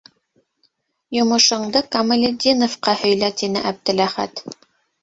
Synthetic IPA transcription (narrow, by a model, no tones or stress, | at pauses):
jŏmɤ̆ʃɤ̆ɴd̪ɤkɐmɐ̆lʲed̪ʲinofqɑhɵ̆jlæt̪inɘ̰ʔæb̚d̪ɘ̆læχæ̰t̪